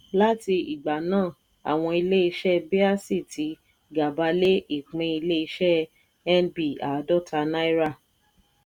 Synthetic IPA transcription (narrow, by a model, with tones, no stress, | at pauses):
la˦ti˧i˨ɡ͡ba˨nãː˦˨ | a̰˨w̃ɔ̃˧i˧le˦i˧ʃɛ˦be˦a˦si˦˨ti˨˦ | ɡa˨ba˧le˦i˦˨k͡pẽ˧i˧le˦i˧ʃɛ˦ | ɛ˦nbi˦˨a˨˦dɔ˦˨tʰa˧na˦i˦ɾa˦˨